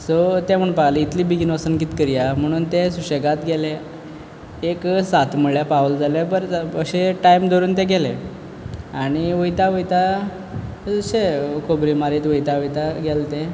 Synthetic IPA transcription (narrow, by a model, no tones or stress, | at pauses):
sot̪ɛ̃m̤əɳpaɡliit̪liːbiɡinosənkit̪kəɾijam̤əɽ̃uːnt̪ɛsuɕeɡat̪ɡʱɛle | eksat̪ʰməɭjapaʋəld͡zalebəɾəɕeʈajmd̪oɾuːnt̪ɛɡɛle | aɽ̃iʋəjt̪aʋəjt̪a | d͡zəɕekʰobɾimaɾiːt̪ʋəjt̪aʋəjt̪aɡɛlt̪ẽ